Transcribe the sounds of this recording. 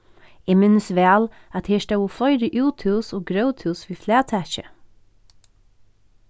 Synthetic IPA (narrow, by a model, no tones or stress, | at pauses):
iːmɪnsʋæːl | ɑt̪hiːʃd̪æuːflœʏɾəʔuːt̪ʰʉːsoːɡɾəʊt̪ʰʉːsʋiːflæːt̪ʰæçə